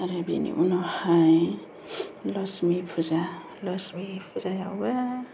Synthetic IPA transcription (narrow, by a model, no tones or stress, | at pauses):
aɾebḭnḭʔunɔhaj | lɔsmipʰuza | lɔsmipʰuzajawba